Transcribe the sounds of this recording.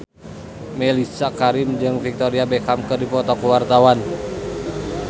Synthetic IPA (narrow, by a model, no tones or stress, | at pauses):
mɛlisakaɾimd͡ʒɨŋfik̚t̪oɾiabekamkədipɔt̪ɔkəwart̪awan